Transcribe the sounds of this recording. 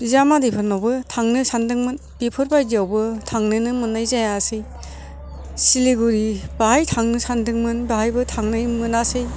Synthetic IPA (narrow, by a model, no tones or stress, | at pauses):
zamadipʰɯnɔbɯtʰaŋnɯsandɯŋmɯn | bipʰɯɾbajdiawbɯtʰaŋnɯnɯmɯnajzajasɯj | siliɡuɾibaɦajtʰaŋnɯsandɯŋmɯnbahajbɯtʰaŋnajmɯnasɯj